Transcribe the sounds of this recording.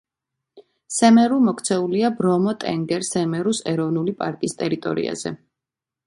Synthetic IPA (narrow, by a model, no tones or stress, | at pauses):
sɛmɛɾumɔkʰt̪sʰɛuliabɾɔmɔt̪ʼɛ̰ŋɡɛɾsɛmɛɾusɛɾɔvnulipʼa̰ɾkʼist̪ʼɛɾit̪ʼɔ̰ɾḭa̰z̥ɛ̰